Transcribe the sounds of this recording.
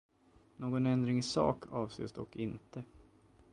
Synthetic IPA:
noːɡɔnɛnd̪ɾɪŋsɑ̰ːkʰɑːvsḛːsd̪ɔkːɪnt̪ʰə

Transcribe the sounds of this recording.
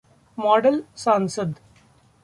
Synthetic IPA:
mɔːɖəlsãːnsəd̪

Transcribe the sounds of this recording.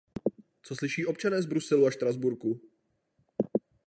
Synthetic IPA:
t͡so̞slɪʃiːʔo̞p̚t͡ʃanɛːzbɾusɛluaʃt̪ɾazbuɾku

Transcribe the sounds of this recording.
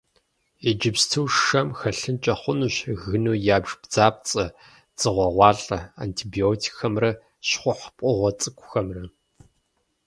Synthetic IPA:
ed͡ʒɪpstʰɨwʃɐmxɐɬɨnt͡ʃʼɐχʷʊnuːɕɣɨnuːjaːbʒ̥b̥d͡zaːp̚t͡sʼɐ | t͡sʼɨʁʷɔʁʷɑːɬʼɐa̰ːntʰibioːtʰi̥xɐmrɐ | ɕχʷʊħpʼɔʁʷɔt͡sʼɨkʷʰʼʊxɐmrɐ

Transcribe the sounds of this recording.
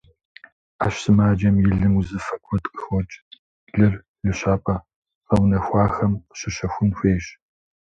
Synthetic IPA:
a̰ːɕsɨmaːd͡ʒɐmjɪɮɨmuzɨfɐkʷʰʼɔtʼqʼɨxʷɔt͡ʃʼ | ɮɨr | lɨɕaːpʰʼɐ | ʁɐwnɐxʷɑːxɐmɕɪɕɐxʷʊnxʷeːɕ

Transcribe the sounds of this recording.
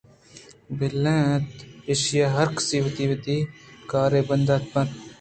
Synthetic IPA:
bɪlːẽːt̪eʃjaːɦəɾkə̥siːʋət̪iːʋət̪iːkaːɾeːbənd̪aːt̪pɐ̃t̪

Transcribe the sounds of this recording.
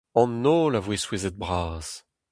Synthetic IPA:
ɑ̃nːoːlavweswezɛt̪̚bʁaːz̥

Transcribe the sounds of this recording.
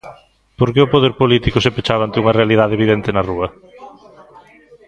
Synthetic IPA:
poɾkeʊpoðeɾpolit̪ikʊsepet͡ʃaβant̪euŋɐrealið̞aðeβiðent̪enɐruɐ

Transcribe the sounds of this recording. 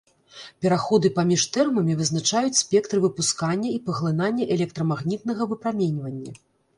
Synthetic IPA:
pʲɛɾaxɔd̪ɨpamʲiʂt̪ɛrmɐmʲivɨznat͡ʂajut͡sʲsʲpʲɛkt̪ɾɨvɨpuskanʲːɐipɐɣlˠɨnanʲːɐʔɛlʲɛkt̪ɾɐmaɣnʲit̪̚nɐɣɐvɨpɾamʲenʲvɐnʲːɐ̰

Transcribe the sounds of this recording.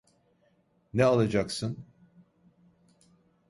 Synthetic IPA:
nɛalˠad͡ʒaksɯn

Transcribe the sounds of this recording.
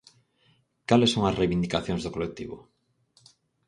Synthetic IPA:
kalesːoŋɐsrejβind̪ikaθjoŋzðokolek̚t̪iβʊ̰

